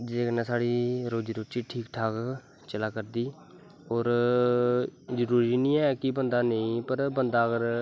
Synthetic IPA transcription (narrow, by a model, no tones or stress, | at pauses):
d͡ʒeːkənɛːsaːɽiːɾoːd͡ʒiːɾoːt͡ʃiːʈʰiːkʈʰaːk | t͡ʃəlaːkəɾd̪iː | ɔːɾ | d͡ʒəɾuːɾiːnĩːɛːkɪbənd̪aːnəĩːpəɾbənd̪aːɡəɾ